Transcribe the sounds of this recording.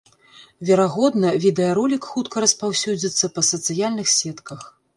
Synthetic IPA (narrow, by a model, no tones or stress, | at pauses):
vʲɛɾaɣɔd̪nɐvʲid̪ɛjɐɾɔlʲikxut̪kɐɾɐspawsʲud͡zʲit̪sːɐpɐsɐt̪sɨjalʲnɨxsʲɛt̪kʰɐx